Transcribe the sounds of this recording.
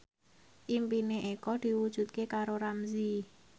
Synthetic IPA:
ʔimpineʔekɔd̪̥i̤wud̥ʒ̥ṳt̪̚kekaɾoɾamzi

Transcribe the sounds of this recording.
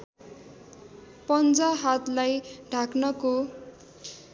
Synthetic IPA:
pʌnd͡zaɦat̪lajɖʱaknʌko

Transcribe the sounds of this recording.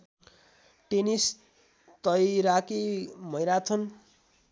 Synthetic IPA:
ʈenis | t̪ʌjɾakimʌjɾat̪ʰʌn

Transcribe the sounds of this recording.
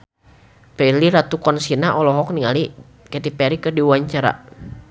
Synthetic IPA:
pɛiliɾat̪ukɔnsinaʔɔlɔɦɔk̚niŋali | kɛt̪ipɛɾikərdiwaɲt͡ʃaɾa̰

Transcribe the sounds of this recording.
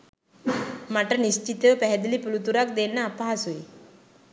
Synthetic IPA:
maʈənist͡ʃit̪eʋəpɛɦɛd̪ilipulut̪uɾak̚d̪enːaːpaɦasuji

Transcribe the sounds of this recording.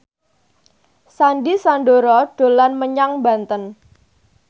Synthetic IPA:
sanɖisandoɾɔɖ̥o̤lanməɲaŋbant̪ən

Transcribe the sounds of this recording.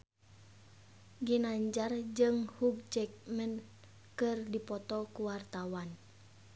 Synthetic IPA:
ɡinaɲd͡ʒard͡ʒɨŋhuɡ̚t͡ʃɛk̚mɛn | kɨrdipɔt̪ɔkuwart̪awan

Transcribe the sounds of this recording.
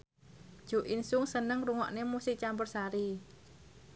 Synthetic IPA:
d̥ʒ̥o̤ʔinsʊŋsənəŋruŋɔ̰ʔnemusɪt͡ʃambʊrsaɾi

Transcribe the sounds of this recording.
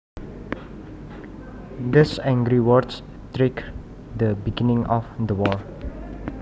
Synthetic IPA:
d̪isɛ̃ŋɡɹiwɔts | t̪ɹek | d̪əbiɡinɪ̃ŋɔfd̪əwɔɹ

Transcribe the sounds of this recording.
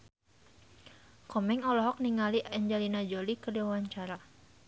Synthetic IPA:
kɔmɛŋɔlɔɦɔk̚niŋaliʔɛɲd͡ʒɛlinad͡ʒolikədewwaɲt͡ʃaɾa

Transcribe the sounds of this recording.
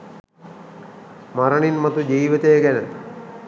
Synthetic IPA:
maɾəɳinmɐt̪ud͡ʒiːʋit̪əjəɡænə

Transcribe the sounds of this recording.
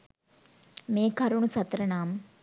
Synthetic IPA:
meːkɐɾunusɐt̪ɾɐnaːmə

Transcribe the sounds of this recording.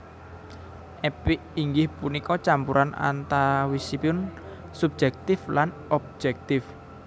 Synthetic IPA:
ʔɛpɪʔiŋɡɪhpunikɔt͡ʃampuɾʔanʔa̰nt̪awisipiʊn | sub̚d͡ʒɛk̚t̪ɪflan | ɔb̚d͡ʒɛk̚t̪ɪf

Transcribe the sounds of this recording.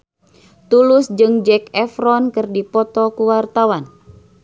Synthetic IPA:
t̪ulʊsd͡ʒɨŋd͡ʒɛkɛfɾɔnkɨrdipɔt̪ɔkuwart̪awan

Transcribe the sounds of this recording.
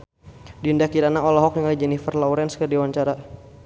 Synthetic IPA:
dindakiɾanaɔlɔɦɔk̚niŋalid͡ʒɛnifərlɔuɾɛnskərdiwaɲt͡ʃaɾa

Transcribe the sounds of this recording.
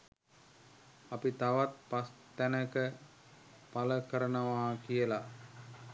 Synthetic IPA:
apit̪aʋat̪̚past̪ænəkə | paləkəɾənəʋaːkijəla

